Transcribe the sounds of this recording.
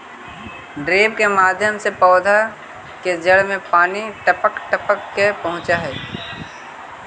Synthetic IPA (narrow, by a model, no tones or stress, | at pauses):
ɖɾeːbkemaːd̪ʱjəmsepɔːd̪ʱa | ked͡ʒɐɽmẽpaːniʈɐpəkʈəpəkːepɐɦʊ̃t͡ʃaɦɛː